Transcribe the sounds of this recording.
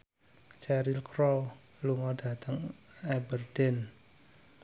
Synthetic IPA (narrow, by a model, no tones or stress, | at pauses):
t͡ʃɛɾilkɾɔl | luŋɔdä̤t̪əŋɛbərd̥ɛn